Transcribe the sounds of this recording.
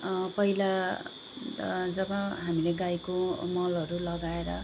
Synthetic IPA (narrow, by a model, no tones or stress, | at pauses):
pʌila | d͡zʌbʌ̃ɦamileɡajkomʌlʌɾulʌɡaeɾʌ̰